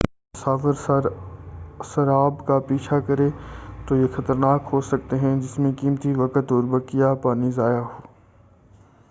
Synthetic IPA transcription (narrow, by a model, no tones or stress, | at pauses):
saːfəɾɾ | səɾaːbkapiːt͡ʃʰakɐɾet̪oːjexɐt̪əɾnaːkɦoːsɐk̚t̪eɦɛ̃d͡ʒɪsmẽkiːmt̪iʋɐkət̪ɔːɾbɐkijapaːnizaːjaɦoː